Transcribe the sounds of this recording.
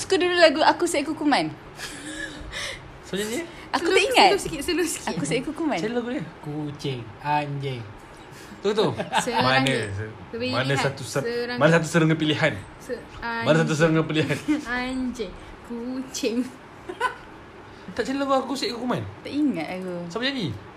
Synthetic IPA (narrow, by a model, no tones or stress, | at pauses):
su̥kudululaɡuakusaʔkukuman | səɲaniə | akuaʔiŋat̪skisəlusi̥kakusajkukumãnellaɡudəkut͡ʃɪŋ | aɲd͡ʒɛŋ | t̪ukt̪usəmanəs | manəsat̪usɾamanəsat̪̬usəɾəŋəpiliɦan | manəsat̪̬us̬əɾəŋəpiliɦanaɲd͡ʒɛŋ | kut͡ʃɪŋ | t̪aʔt͡ʃellokuakukuseʔkukumant̪aʔiŋat̪̚akusabad͡ʒadi